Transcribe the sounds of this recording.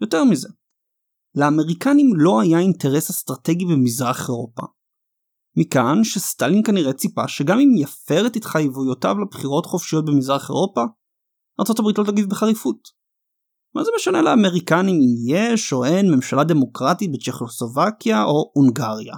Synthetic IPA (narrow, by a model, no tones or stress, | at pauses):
jo̞te̞ʁmize̞ | leame̞ʁikanimlo̞ajainte̞ʁe̞sast̪ʁate̞ɡibemizʁaχe̞ʁo̞pa̰ | mikanʃestalinkaniʁe̞t͡sipa̰ʃeɡamimjafe̞ʁetit̪χajevujota̰vlabχiʁo̞tχo̞fʃijo̞t̚bemizʁaχe̞̰ʁo̞pa | aʁtt͡so̞tabʁitlo̞t̪aɡifbeχaʁifut | mazemeʃane̞leame̞ʁikanimimjeʃo̞e̞nme̞mʃalade̞mo̞kʁatit̚bet͡ʃeχosovakjaʔo̞uŋɡaʁja̰